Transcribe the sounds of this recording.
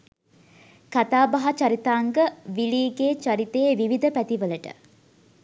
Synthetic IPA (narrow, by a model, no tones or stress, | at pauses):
kat̪aːbaɦat͡ʃaɾit̪aːŋɡəʋiɭiːɡeːt͡ʃaɾit̪eːʋiʋid̪əpæt̪iʋələʈə̰